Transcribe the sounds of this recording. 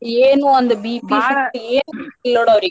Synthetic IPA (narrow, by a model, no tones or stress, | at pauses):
eːnũɐnd̪ɐbipisɯeːnɪlːoːɽɐɐɾɪkː